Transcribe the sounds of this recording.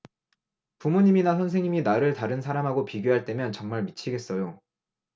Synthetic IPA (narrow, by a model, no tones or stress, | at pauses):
pumuɲiminas̬ʰʌnsʰe̞ŋɲiminaɾɯɭtaɾɯnsʰaɾamɦaɡopiɡjoɦaɭt͈e̞mjʌnt͡ɕʌŋmaɭmit͡ɕʰiɡe̞s͈ʌjo